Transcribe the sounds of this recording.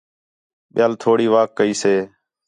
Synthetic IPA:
ɓɪjaːlt̪ʰoːɽiːʋaːkːəiːseː

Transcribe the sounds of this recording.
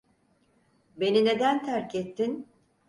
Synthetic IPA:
be̞nine̞d̪ænt̪ʰæɾcʰɛt̪ʰːin

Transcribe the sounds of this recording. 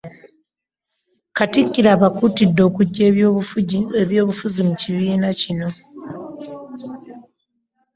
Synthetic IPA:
katikːiɾaːβakutidːo̞ːkuɟː | eβjo̞ːβufuzimuciβiːnacino̞

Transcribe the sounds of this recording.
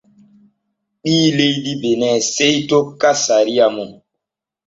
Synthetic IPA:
ɓiːlejdibenɛsejtokːasaɾijamu

